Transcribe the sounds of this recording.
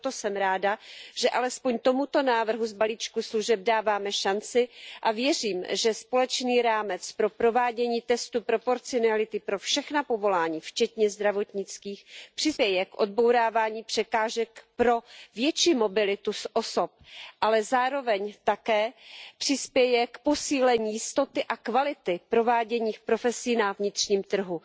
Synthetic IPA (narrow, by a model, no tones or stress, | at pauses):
t̪osɛmɾaːdaʒ̥ɛʔalɛspo̞ɲt̪o̞mut̪o̞naːvr̩ɦuzbaliːt͡ʃkusluʒɛb̚daːvaːmɛʃant͡sɪʔavjɛr̝iːmʒɛspo̞lɛt͡ʃniːɾaːmɛt͡spɾo̞pɾo̞vaːɟɛɲiːt̪ɛst̪upɾo̞po̞ɾt͡sɪonalɪt̪ɪpɾo̞fʃɛxnapo̞vo̞laːɲiːft͡ʃɛt̪ɲɛzd̪ɾavo̞t̪ɲɪt͡skiːxpr̝̥ɪspjɛjɛkʔo̰d̪̚bo̞wɾaːvaːɲiːpr̝̥ɛkaːʒɛkpɾo̞vjɛt͡ʃiːmo̞bɪlɪt̪usʔoso̞p̚ʔalɛzaːɾo̞vɛɲt̪akɛːpr̝̥ɪspjɛjɛkpo̞siːlɛɲiːjɪst̪o̞t̪ɪʔakvalɪt̪ɪpɾo̞vaːɟɛɲiːxpɾo̞fɛsiːnavɲɪt̪r̥ɲiːmt̪r̩ɦu